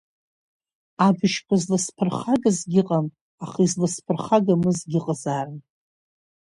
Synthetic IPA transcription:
abɨʃkʷʰazlɨspʰɨrχaɡazɡʲɪqʼam | aχizlɨspʰɨrχaɡamɨzɡʲɪqʼazarɨn

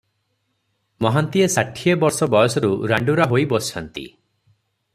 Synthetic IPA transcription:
mɔɦant̪iesaʈʰiebɔɾsɔbɔjɔsɔɾuɾaɳɖuɾaɦojbɔsʰant̪ḭ

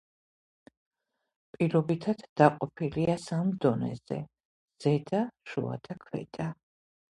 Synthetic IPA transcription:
pʼiɾɔbit̪ʰat̪d̪̥aqʼɔpʰiliasamd̪ɔnɛ̰zɛ̰ | z̥ɛd̪aʃṵa̰d̪̥akʰwɛ̰d̪ʼa

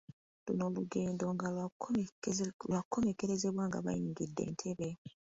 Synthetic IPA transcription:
luno̞ːluɡeːndo̞ŋɡa | lwakʰːo̞me̞ke̞ɾe̞ze̞βwaːŋɡa̰βa̰jiːŋɡidːe̞̰ːntʰe̞βe

